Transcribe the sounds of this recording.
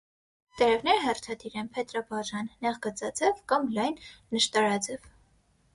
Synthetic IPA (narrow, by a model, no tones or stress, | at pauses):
t̪ɛɾɛvnɛɾəɦɛrt̪ʰɑd̪iɾɛnpʰɛt̪ɾɑbɑʒɑnːɛʁɡət͡sɑd͡zɛvkɑmlɑjnːəʃt̪ɑɾɑd͡zɛv